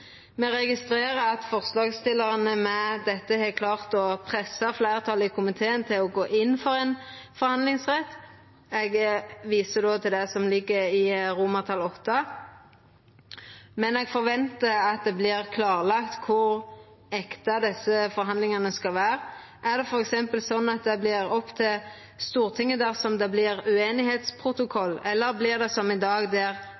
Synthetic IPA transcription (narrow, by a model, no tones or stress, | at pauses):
mɛɾɛɡɪst̪ɾeːɾəɑt̪fɔʁslɑːɡst̪ɪlːəʁɑnəmɛd̪ɛt̪ːəhɛkʰlɑːʁt̪ɔpʰɾɛsːɑflæɪʁət̪ʰɑlɪkʰʊmɪt̪ʰeːənt̪ʰɪlɔɡoːʔɪnːfɔɾɛn | fɔɾhɑnd̪lɪŋsʁɛt̪ː | ɛɡʋiːsəd̪oːt̪ʰɪld̪ɛsɔmlɪɡːəɾɪɾʊmɑt̪ʰɑlɔt̪ːə | mɛnɛːɡfɔɾʋɛnt̪əɑt̪̚d̪ɛblɪʁkʰlɑːʁlɑkt̪kʰʊɾ | ɛkt̪ɑd̪ɛsːəfɔɾɦɑnd̪lɪŋɑnəskɑlʋæːɾʁ | ʔæd̪ɛfɔɾɛksɛmpəlsɔnːɑt̪̚d̪ɛblɪɾɔpt̪ʰɪl | st̪uːʁt̪ʰɪŋːəd̪æːʁsɔmd̪ɛblɪɾʉeːnɪheːt̪spʰʁʊt̪ʊkʰɔlːɛlːəɾblɪʁd̪ɛsɔmɪd̪ɑːɡd̪ɛɾ